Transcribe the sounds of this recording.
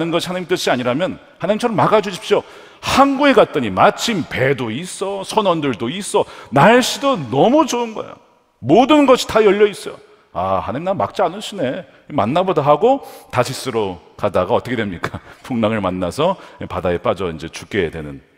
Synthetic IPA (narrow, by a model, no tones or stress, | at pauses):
nɯnɡʌɕʰi̥hanaɲimt͈ɯɕ͈iaɲiɾamjʌn | hanaɲimt͡ɕʰʌɾʌmaɡad͡ʑuɕʰi̥p̚ɕ͈o | hanɡueɡat̚t͈ʌɲimat͡ɕʰimpedois͈ʌsʰʌnʌndɯɭdois͈ʌnaɭɕ͈idonʌmud͡ʑoɯnɡʌ̰ḛjo̰ | modɯnɡʌɕʰi̥tajʌʎːʌis͈ʌjo̰ | ahanaɲimnama̰k̚t͡ɕ͈ianɯɕʰine̞ | ima̰nːabʌdaɦaɡotaɕʰis͈ɯɾokadaɡaʌt͈ʌkʰedwemɲik͈apʰuŋnaŋɯɭmanːa̰sʰʌepadaep͈ad͡ʑʌind͡ʑe̞t͡ɕuk͈edwe̞̰nɯn